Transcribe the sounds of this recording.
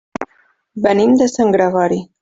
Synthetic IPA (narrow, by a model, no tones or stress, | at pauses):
bənimd̪əsaŋɡɾaɣaɾi